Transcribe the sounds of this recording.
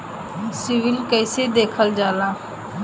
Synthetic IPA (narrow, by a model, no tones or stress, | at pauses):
sɪʋɪlkəɪsed̪eːkʰəld͡ʒaːlãː